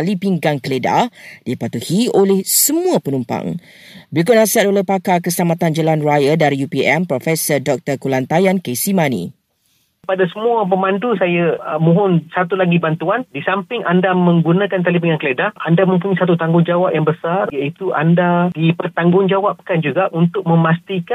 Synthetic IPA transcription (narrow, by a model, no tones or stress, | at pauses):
alipiŋɡaŋkəleda̰d̥ipat̪uhiolɛhsəmũapənumpa̰ŋ | bɾik̬ʊtn̚asiat̪olɛhpakakəsəlamãt̪and͡ʒəlanrajədaɾijupiɛmpɾɔfɛsərdɔk̚t̪ərkulant̪ajankesimanḭ̃ | padasəmũapəmãndusajamũɦʊnsat̪ulaɡibant̪uandisampɪŋandamə̃ŋɡunãkant̪alipiŋankəledahandamə̃mpuɲãsat̪ut̪aŋɡʊŋd͡ʒawap̚jaŋbəsarjaʔit̪uʔa̰ndadipərt̪aŋɡʊŋd͡ʒawap̚ːə̥kand͡ʒuɡaʔunt̪ʊk̚mə̃mast̪ika